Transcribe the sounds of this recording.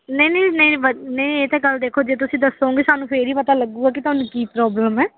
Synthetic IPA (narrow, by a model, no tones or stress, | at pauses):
nəinəinəĩʋənəieːt̪ɛ̃ːkəld̪eːkʰoːd͡ʒeːt̪̬ʊsĩːd̪əsːoːɡeːsaːnũːpʰeɾiːpət̪aːləɡːũːɡaːk̬ɪt̪ʊaːnũːkiːpɾɔːbləmɛː